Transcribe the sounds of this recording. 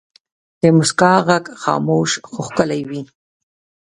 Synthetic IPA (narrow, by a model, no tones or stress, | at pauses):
d̪̥əmʊskɑɣaɡxɑ̰moʃxʊxkəlajwi